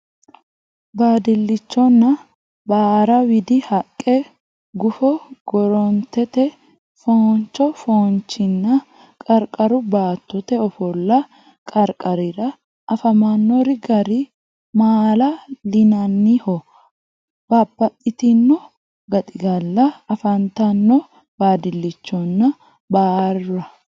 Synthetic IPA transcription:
baːd̪ɪlːɪt͡ʃːɔnːɐ | baːɾɐwɪd̪ɪhɐkʼːɛ | ɡʊfɔɡ̥ɔɾɔnt̪ːɛt̪ɛ | font͡ʃːɔfoːnt͡ʃːɪnːɐ | kʼɐɾkʼɐɾʊbaːt̪ːɔt̪ɛɔfɔlːɐ | kʼɐɾkʼɐɾɪɾɐ | ʔːfɐmanːɔɾɪɡɐɾɪ | maːlɐlɪnɐnːihɔ | b̥aːbːɐt̪ʼːɪt̪ɪnːɔ | ɡɐt̪ʼɪɡɐlːɐɐfɐnt̪ɐnːɔ | baːd̪ɪlːɪt͡ʃːɔnːɐ | baːrɐ

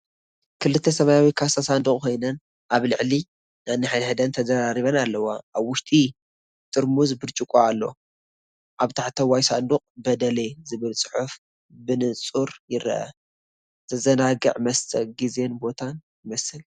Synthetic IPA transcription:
kʰɨlɨt̪ʰːɐsɐmajawikʰasasand̪ukʼkʰo̞jnɐn | ʔaβlɨʕli | nanːɨħajnħɨd̪ɐnt̪ʰɐzɐɾaɾiβɐnalːɐwaʔaβwʊʃt̪ʼi | t̪ʼɨɾmuzbɨɾt͡ʃʼɪkʼoalːo̞̰ | ʔaβt̪ʰaħt̪ʰɐwajsand̪uqʼbɐd̪ɐle̞zɨβɨlsʼɨ̥ħuf | bɨnɨt͡sʼuɾjɪɾɐ̰ʔɐ̰ | t̪ʰɐzɐnaɡɨʕmɐst̪ʰʼɐkɡize̞nbo̞t̪ʰanjɪmɐsɨl

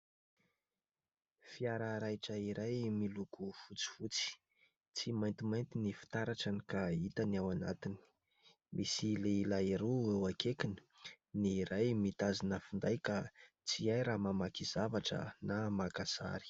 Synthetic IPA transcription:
fiaɾaɾajʈ͡ʂəiɾajmilukufut͡si̥fut͡si̥ | t͡simajnt̪imajnt̪inifi̥t̪aɾaʈ͡ʂanikait̪anawanat̪ini̥ | mʔisileilaiɾuewakekini̥ | niːɾajmit̪azinəfund̪ajka | t͡siajɾamamakizavaʈ͡ʂə̰namakaza̰ɾi̥

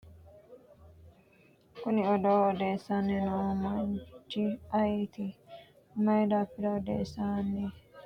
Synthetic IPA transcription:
kʊnɪɔd̪oːɔd̪eːsːanːɛnɔmɐnt͡ʃːɪɐjɛt̪ɪ | mɐjd̪aːpːɪd̪ɐɔd̪ḛːsaːnːɛ

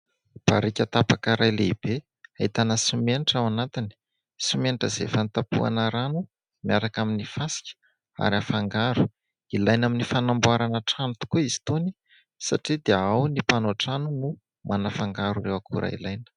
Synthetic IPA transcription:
b̥aɾikʲat̪apakəɾajleib̥e | ait̪anəsimeniʈ͡ʂawanat̪ini̥ | simeniʈ͡ʂəzḛfant̪apṵa̰nəɾanu | miaɾakaminifasi̥kʲə̥ | a̰ɾiafaŋɡaɾu̥ | ilajnaminifanambuaɾanəʈ͡ʂanut̪u̥kuizi̥t̪oni | sa̰ʈ͡ʂid̪eaawnipanoʈ͡ʂanunu | mʔanafaŋɡaɾurewakṵɾʔa̰ḭlajnə̥

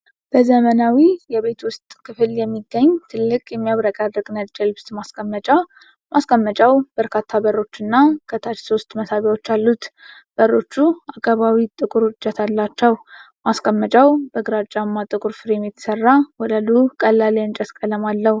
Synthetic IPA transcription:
b̥əzəmənawijɛβe̞t̪wʊst̪ʼkʰɨfɨljɛmːiɡːəɲːt̪ʰɨlːɨkʼjɛmːijaβɾəkʼad̪ɾɨɡʼnəd͡ʒʼɛlbst̪ʼmaskʼəmːət͡ʃʼa | mʔaskʼəmːət͡ʃʼawb̥əɾkʰat̪ʰːabəɾːo̞t͡ʃːɨnːakʰət̪ʰat͡ʃso̞st̪məsaβjawo̞t͡ʃːalːut̪ | b̥ərːo̞t͡ʃːuakʰʼaβawit̪ʼɨkʼʊɾd͡ʒːɛt̪ʰalːat͡ʃːɛw | maskʼəmːət͡ʃʼawbəɡɨɾat͡ʃʼːamːat̪ʼɨkʼuɾfɨɾemjɛt̪ʰə̥sərːawɔd̪əlukʼəlːaleɨnt͡ʃʼəskʼələmalːəhu

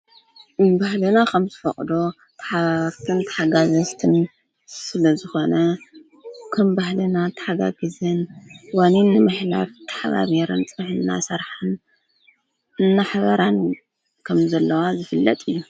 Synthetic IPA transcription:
bahlɨnakʰɐmzɨfɐ̰χʼd̪o | t̪ʰɐ̥ħaβaɾt̪ʰɨnt̪ʰɐ̥ħaɡazɐst̪ʰɨn | sɨlɐzɨxo̞nɐ | kʰɐmbahlɨnat̪ʰɐ̥ħaɡa̰ɡɨzɐnwaninːɨmɨħla̰βt̪ʰːɐ̥ħaβa̰βeɾɨnt͡sʼɨnħɨnːa̰sɐɾħan | ɨnːaħaβɐɾan | kʰɐmzɐlːɐwazɨfɨlːɐ̰t̪ʼɨjːu

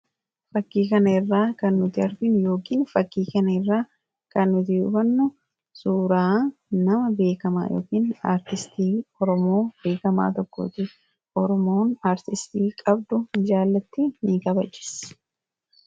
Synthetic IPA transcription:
fɐkːiːkɐnɐɪrːaːkɐnːʊt̪ɪɐɾd̪ɪnjo̞ːkiːnfɐkːiːkɐnɐɪrːaː | kɐnːʊt̪ɪʊ̰bɐnːʊ | suːɾaːnɐmɐbe̞ːkɐma̰ːjo̰ːkiːna̰ːɾt̪ɪst̪iːɔɾɔmo̞ːb̥e̞ːkɐma̰ːt̪ɔkːo̰ːt̪ɪ | ʔɔɾɔmo̞ːnaːɾt̪ɪst̪iːkʼɐbd̪ʊɪd͡ʒaːlːɐt̪ːɪnikɐbɐt͡ʃːɪ̥s

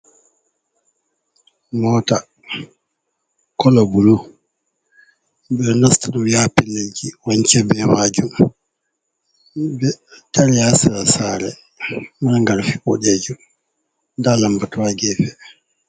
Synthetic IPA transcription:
mɔta | kɔlɔbulu | bɛnastaɗɔjapɛned͡ʒiwaɲt͡ʃɛbɛmad͡ʒum | bɛtaɾijasiɾasaːɾɛ | maɾŋɡaɾfiɓɔɗɛd͡ʒum | dalambatuwaɡɛfɛ

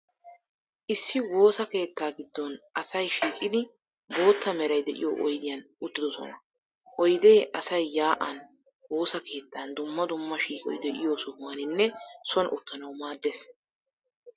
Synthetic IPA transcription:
ʔɪsːɪwo̞ːsɐke̞ːt̪ːaːɡɪd̪ːɔnʔɐsɐjʃiːkʼɪd̪ɪ | bo̞ːt̪ːɐmɛɾɐjd̪ɛʔɪ̰jo̰ːʔɔjd̪ɪjɐnʊt̪ːɪd̪ɔsɔ̰nɐ | ʔɔjd̪eːʔɐsɐjːaːʔɐn | wo̞ːsɐkʰe̞ːt̪ːaːnd̪ʊmːɐd̪ʊmːɐʃiːkʼɔ̰jd̪ɛʔɪ̰jo̞ːsɔhʊanɪnːɛsɔnʔʊt̪ːɐnɐwmaːd̪ːes

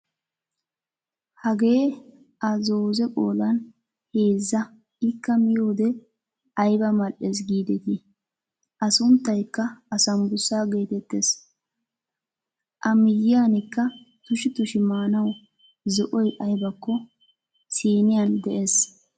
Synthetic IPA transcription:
hɐɡe̞ː | ʔɐzoːzɛkʼoːlɐn | heːzːɐ | ɪkːɐmɪjo̞ːd̪ɛ | ʔɐjbɐmɐlʔes̬ɡiːd̪ɛt̪i | ʔɐsʊnt̪ːɐjkːɐːsɐmbʊsːaːɡe̞ːt̪ɛt̪ːeːs | ʔɐmɪjːɪjaːnɪkːɐ | t̪ʊʃɪt̪ʊʃɪmaːnɐw | zɔʔɔjʔɐjbɐkːɔ | siːnɪjɐnd̪ɛʔeːs

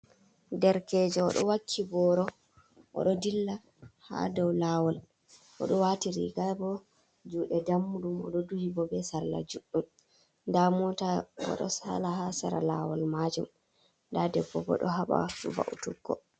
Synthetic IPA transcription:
dɛɾkɛd͡ʒɛɔɗɔwakʰːibɔɾɔ | ʔɔ̰ɗɔdilːa | ha̰dɔwlawɔl | ʔɔ̰ɗɔwatiɾḭɡabɔ | d͡ʒuɗɛdamːuɗumɔɗɔduhibɔbɛsaɾla̰d͡ʒuɗːum | damɔtabɔ̰ɗɔ̰salahasaɾa̰lawɔlmad͡ʒum | ndadɛbɔbɔ̰ɗɔɦaɓa̰va̰ʔutuɡːɔ

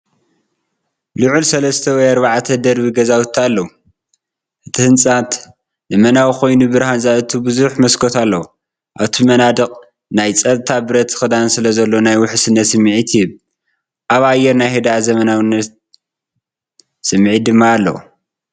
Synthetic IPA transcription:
lɨʕulsɐlɐst̪ʰɐwɔjɐɾβaʕat̪ʰɐd̪ɐɾβiɡɐzawut̪ʰːalːɐwu | ʔɨt̪ʰihɨnt͡sʼat̪ | zɐmɐnawikʰo̞jnubɨɾhanzaʔɨt̪ʰubɨzuħmɐskʰot̪ʰalːɐwu | ʔaβt̪ʰimɐnad̪ɨqʼ | najt͡sʼɐt̪ʼt̪ʰabɨɾɐt̪ʰːxɨd̪ansɨlɐzɐlːo̞najwʊħɨsɨnːɐt̪sɨmːʕit̪ʰjɪβ | ʔaβajːɛɾnajhed̪aazɐmɐnawnːɐt̪̚ | sɨmːʕid̪ɨmːaːlːɐ̰w̰

